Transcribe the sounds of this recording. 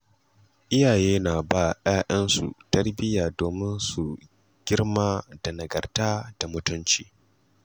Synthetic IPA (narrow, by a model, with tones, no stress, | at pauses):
ʔɪ˦jaː˨jeː˦naː˨baː˦˨j̰aː˦ʔɐ˦nsṵ˨tɐ˦rbɪ˦jaː˨doː˨mɪ˦nsu˨ | ɡ̥ʲɪ˦rmaː˦da˨nɐ˨ɡɐ˨rtaː˦d̥a˨mʊ˦tʊ˦nt͡ʃiː˨